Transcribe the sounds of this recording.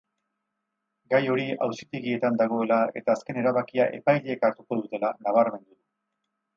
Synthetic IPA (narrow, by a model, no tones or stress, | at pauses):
ɡajo̞ɾiawsit̪e̞ɣie̞t̪and̪aɣ̞o̞e̞lae̞t̪aːske̞ne̞ɾaβakiaʔe̞̰pajʎeekaɾt̪uko̞ðut̪e̞lanaβ̞aɾme̞nd̪uðu